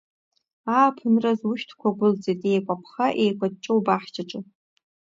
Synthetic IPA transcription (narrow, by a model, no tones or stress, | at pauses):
aːpʰɨnrazwʊʃtʰkʷʰaɡʷʊld͡zetʼejkʷʼapʰχaʔejkʷʼad̚t͡ʃʼowbaħt͡ʃʰʼat͡ʃʼɨ